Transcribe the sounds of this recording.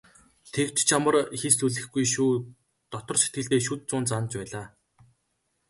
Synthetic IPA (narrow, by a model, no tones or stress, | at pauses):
t̪ʰekt͡ɕt͡ɕʰamə̆rxist̪uɮɘ̆xɡujʃuː | t̪ɔt̪ɞ̆rʃe̥t̪̚ɡɘ̆ɮt̪eːʃut̪̚t͡sʊːnt͡sant͡ɕpæːɮaː